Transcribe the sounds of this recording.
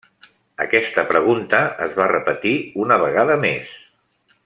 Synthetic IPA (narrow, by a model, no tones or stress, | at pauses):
ə̰kɛst̪əpɾəɣ̞unt̪əəzβarəpət̪iunəβəɣaðəmḛs